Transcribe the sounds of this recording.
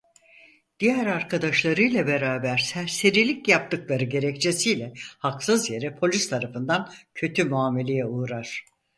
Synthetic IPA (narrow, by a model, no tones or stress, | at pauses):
d̪̥ijæɾaɾkʰad̪aʃlˠaɾɯjlʲˠabe̞ɾaːbæɾsæɾseɾilʲicjap̚t̪ɯklˠaɾɯɟe̞ɾɛct͡ʃʰe̞sijlʲɛhaksɯzje̞ɾɛpʰo̞lʲyst̪ʰaɾafɯnd̪ancʰø̞t̪ʰymuaːme̞lʲe̞jɛuːɾaɾ̥